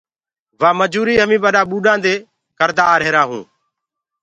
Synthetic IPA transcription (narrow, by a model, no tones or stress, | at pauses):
ʋaːməd͡ʒuːɾiːɦəmĩːɓəɗaːɓuːɗãːnd̪eː | kəɾd̪aːɾeːɾaːɦṵ̃ː